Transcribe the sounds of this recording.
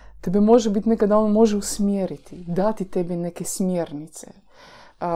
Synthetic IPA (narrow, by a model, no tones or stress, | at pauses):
t̪ebɛmoʒɛbit̪ʲnekad̪aonmoʒɛusmjeɾit̪ʰid̪at̪it̪ɛbɛnekesmjeɾnit̪sḛ